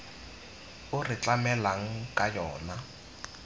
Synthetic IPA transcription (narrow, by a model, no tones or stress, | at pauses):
ʊrɪt͡ɬamɛlaŋ̩kʼajɔːna